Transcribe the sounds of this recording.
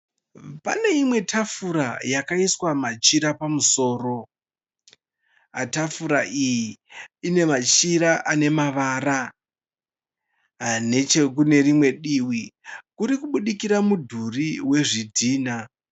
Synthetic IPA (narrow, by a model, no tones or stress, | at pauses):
pa̰ne̞imwe̞tʰafuɾajakaiswamat͡ʃiɾapamuso̞ːro̞ | atafuɾaʔijiine̞mat͡ʃiɾaʔane̞maʋaːɾa | ane̞t͡ʃekune̞rimwe̞ɗiːwikuɾikuɓuɗikiɾamudʱuriwe̞ʐidʱiːna